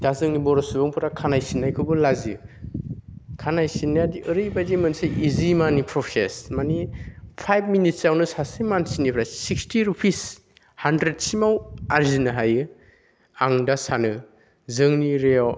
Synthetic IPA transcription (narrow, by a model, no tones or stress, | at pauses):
d̥azɯŋnibɔɾɔsubɔŋpʰɯɾakʰanajsinːajkʰɯbɯlazi | kʰanajsinːajadiʔɯɾɯjbajzimɯnseʔizimanipʰɾɔpʰesmanipʰajb̚minit̚sawnɯsasijmansinipʰɾassikstiɾupʰis | handɾed̚simawaɾzinɯɦajɯ | aŋdasanɯ | zɯŋniɾeɔw